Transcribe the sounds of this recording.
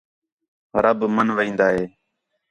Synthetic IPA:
ɾəbmənʋəĩːnd̪aːɦeː

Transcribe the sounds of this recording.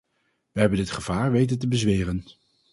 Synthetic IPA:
ʋəɦɛbəndɪtχəv̥aːɹʋejt̬əntəbəzʋeːrən

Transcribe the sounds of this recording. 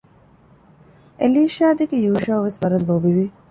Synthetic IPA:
eliːʃaːd̪eɡejuːʃɐʋʋesʋɐɾɐlːobiʋi

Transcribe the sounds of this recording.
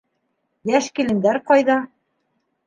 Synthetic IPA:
jæʃkĭlɘ̆nd̪æɾqɑjðɑ

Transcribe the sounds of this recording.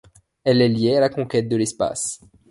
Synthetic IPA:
ɛlɛljealakɔ̃kʲɛt̪̚d̪əlɛspa̰s

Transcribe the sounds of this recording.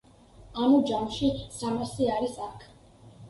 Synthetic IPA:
anud͡ʒamʃisamasiaɾisakʰ

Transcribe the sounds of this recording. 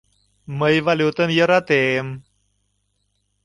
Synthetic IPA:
məjvalut̪əmjəɾat̪em

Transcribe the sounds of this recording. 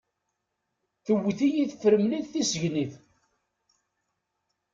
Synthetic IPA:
θəwːiθijiθfəɾəmliðθisəʝniθ

